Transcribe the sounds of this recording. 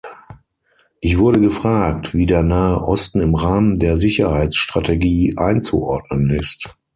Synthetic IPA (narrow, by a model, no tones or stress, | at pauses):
ʔɪçv̥ʊɐɾəɡəfʁ̥aːk̚tv̥iːdeːɐnaːəʔɔstn̩ɪmʁaːməndeːɐzɪçɐhaɪsʃtʁ̥atʰeɡiːʔaɪnt͡sṵʔɔɐdnənɪst